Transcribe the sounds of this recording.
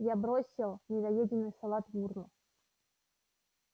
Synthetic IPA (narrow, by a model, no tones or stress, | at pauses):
jabɾosʲɪlˠnʲɪɡ̪ɐjedʲɪnːɨjsalˠat̪burnʊ